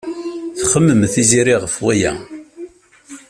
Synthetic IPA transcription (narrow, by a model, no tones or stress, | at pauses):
θχəmːəmθiziɾiʁəfwæjæ̰